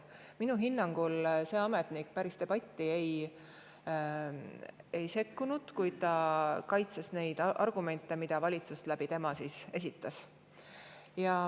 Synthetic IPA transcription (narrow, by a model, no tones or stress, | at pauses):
minuɦinːɑŋɡ̥ulse̞ɑmet̪ˑnikpæɾist̪e̞b̥ɑt̪ʲːie̞j | ejse̞kːunud̪̥kujd̪̥̚t̪ɑkɑjt̪sɑsne̞jd̪ʔɑrɡ̥ume̞nt̪ːˑe̞mid̪̥ɑvɑlʲit̪sust̪læb̥it̪e̞mɑsiːse̞s̬ʲit̪ːˑɑs | jɑ